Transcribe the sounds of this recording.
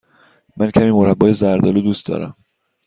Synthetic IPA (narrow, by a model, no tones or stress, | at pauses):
mʔæncʰæmiːmoɾæbːɒːjezæɾd̪ɒːlud̪uːst̪d̪ɒ̰ːɾæ̰m